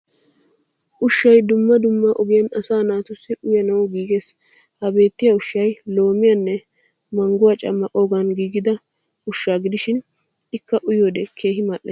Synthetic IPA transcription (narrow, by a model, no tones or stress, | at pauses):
ʔʊʃːɐjd̪ʊmːɐd̪ʊmːɐʔʊɡɪjɐnɐsaːnaːt̪ʊsːɪʔʊjɐnɐwɡiːɡe̞ːs | hɐbe̞ːt̪ːɪjɐʊʃːɐjlo̞ːmɪjɐnːɛ | mɐŋɡʊwɐt͡ʃʼɐ̰mːɐʔʼo̞ːɡɐnɡiːɡɪd̪ɐ | ʊʃːaːɡɪd̪ɪʃɪn | ɪkːɐʔʊjoːd̪ɛkʰe̞ːɦɪmaːʔːɐ̰